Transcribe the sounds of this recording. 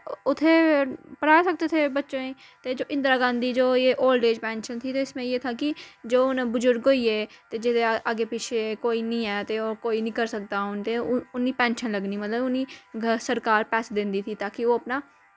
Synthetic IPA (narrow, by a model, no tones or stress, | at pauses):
ʊt̪ʰːeːpəɾaːsək̚d̪eːt̪ʰeːbətːʃõːeː | t̪eːd͡ʒoːʔɪ̃nd̪ɾaːɡãːnd̪iːd͡ʒoːeːʔoːlɖeːd͡ʒpɛ̃ːnʃənt̪ʰiːt̪eːɪsmẽːjeːt̪ʰaːkɪd͡ʒoːʊnbʊzʊɾɡɦoːiːeːt̪eːd͡ʒɪt̪eʔaɡeːpɪt͡ʃʰekoːiːnĩːɛːt̪eːoːɾkoːiːnĩːkəɾsək̚d̪aːʊnt̪eʊnːiːpɛ̃ːnʃənləɡniːmət̪ləbʊniːsəɾkaːɾpɛːsd̪ɪ̃nd̪iːt̪ʰiːt̪aːkɪoːəpnaː